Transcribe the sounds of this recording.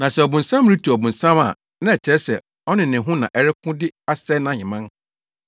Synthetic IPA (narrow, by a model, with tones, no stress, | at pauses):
nã˨sɛ˨ɔ˨bʊ̃˨n̩˨sã˦m˨ɾi˦tʰu˨ɔ˨bʊ̃˨n̩˨sã˦ma̰˨ | nã˦ɛ˨t͡ɕʰɛ˨˦ɛ˦sɛ̰˨ | ɔ˦nɪ̃˨nɪ̃˨ɦʊ̃˦nã̰˨ʔɛ˦ɾɪ˦kʰʊ̃˦dɪ˦a˦sɛ˦nã˨ɲɪ̃˨mã˦n